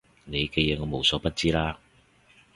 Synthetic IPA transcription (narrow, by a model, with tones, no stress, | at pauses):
ne˨˧jkɛ˧jɛː˨˧ŋɔː˨˧mo˨˧wsɔː˨˥pɐ˥t̚t͡siː˥laː˥